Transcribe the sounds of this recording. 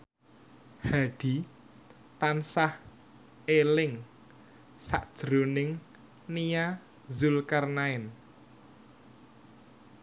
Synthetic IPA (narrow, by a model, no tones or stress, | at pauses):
haɖ̥i̤ | t̪ansah | elɪŋ | sa̰ʔd̥ʒ̥ɾonɪŋ | nija | zulkarnaɪn